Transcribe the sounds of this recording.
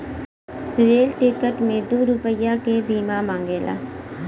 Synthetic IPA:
ɾeːlʈikəʈmẽd̪uːɾupəjakebiːmamãːŋɡeːla̰ː

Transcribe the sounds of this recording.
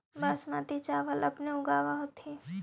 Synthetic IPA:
baːsmat̪it͡ʃaːʋəlɐpneʊɡaːʋaɦot̪e

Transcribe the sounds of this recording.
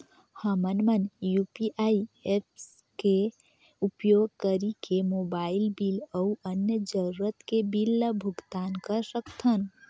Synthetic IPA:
həmənmənjupiʔaiep̚ʰs | ke | upjoɡ̚kəɾikemobailbiləuʔənjəd͡ʒəɾuɾət̪kebilːəbʱuɡt̪ankəɾsəkt̪ʰən

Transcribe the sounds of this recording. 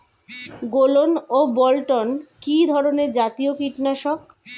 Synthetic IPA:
ɡolonobɔlʈonkid̪ʱɔɾoneɾd͡ʑat̪iokiʈnaʃɔk

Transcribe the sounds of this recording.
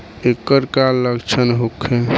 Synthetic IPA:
ekːəɾkalːəɡt͡ʃʰənɦokʰːe

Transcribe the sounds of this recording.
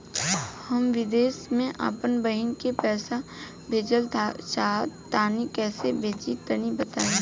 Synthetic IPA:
hɐmʋɪd̪eːsmẽʔa̰ːpənbəɦɪnkepɛːsa | bʱeːd͡ʒəlt͡ʃaːt̪aːnikɛːsebʱeːt͡ʃit̪ənibɐt̪aːẽː

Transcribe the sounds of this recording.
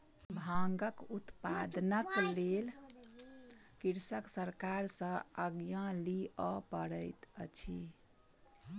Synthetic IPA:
bʱaŋɡəkut̪pad̪nəklel | kiɾsəksəɾkaɾsə̃əɡjãliəpəɽəjt̪ət͡ʃʰḭ

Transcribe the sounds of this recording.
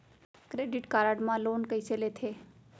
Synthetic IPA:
kɾeːɖɪʈkaːɾaɖmãloːnkəiselet̪ʰeː

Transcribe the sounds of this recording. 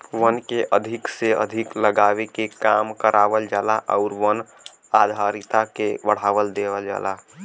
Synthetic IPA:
ʋənkeʔəd̪ʱɪkseə̰d̪ʱɪkləɡaːʋekekamkəɾʔaʋəld͡ʒalaʔɔʊɾʋən | ad̪ʱaɾɪt̪akebəɽ̤aːʋəld̪eʋəld͡ʒa̰ːla

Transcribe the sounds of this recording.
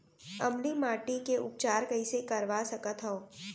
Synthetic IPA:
ɐmlimaːʈikeʔʊ̰p̚t͡ʃaːɾkɐĩsekɐɾʋasɐkət̪ɦɔ

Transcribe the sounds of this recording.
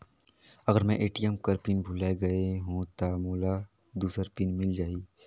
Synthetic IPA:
ɐɡəɾmɛ̃ʔeːʈijəmkəɾpɪnbʱʊlaːeɡɐeɦũt̪amuːla | d̪uːsəɾpɪnmɪld͡ʒaːiː

